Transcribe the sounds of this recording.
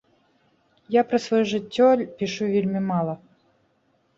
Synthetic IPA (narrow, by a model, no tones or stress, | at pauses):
japɾɐsvɐjuʐɨtʲːɔlʲpʲiʂuvʲelʲmʲimalˠɐ